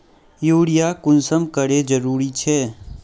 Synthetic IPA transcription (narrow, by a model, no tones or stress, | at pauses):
joːɽijakʊnsəmkəɾed͡ʒəɾuːɾit͡ʃʰɛː